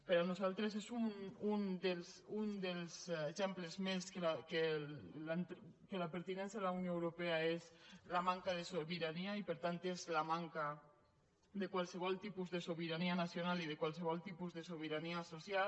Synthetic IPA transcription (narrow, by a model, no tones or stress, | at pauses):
pəɾanuzalˠt̪ɾezezunund̪elzund̪elzeʒɛmplezmeskelakelant̪kelapəɾt̪inɛns̬jaðelaunjoewɾopeaezlamaŋkaðesoβiɾaniaipəɾt̪ant̪ezlamaŋka | d̪ekwalˠsəβ̞ɔlˠt̪ipuzðesoβiɾanianasjonaliðekwalseβ̞ɔlˠt̪ipuzðesoβ̞iɾaniasosjal